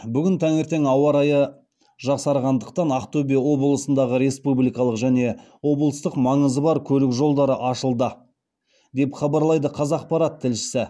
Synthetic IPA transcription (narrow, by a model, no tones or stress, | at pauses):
bʏɡʲɪnt̪ʰæŋe̞ɾt̪e̞ŋɑwɑɾɑjə | ʒɑqsɑɾʁɑnd̪əq̚t̪ɑnɑqt̪obijɑwo̞bəlˠəsənd̪ɑʁəɾe̞spublijkɑlˠəqʒæne̞ | wo̞blˠəst̪əqmɑɴəzəbɑɾkʲʰɵlɪkʒo̞lˠd̪ɑɾəʔɑʃəlˠd̪ə | d̪e̞pχɑbɑɾlˠɑjd̪əqʰɑzɑq̚pɑɾɑt̪ʰːɪlʃɪ̥sɪ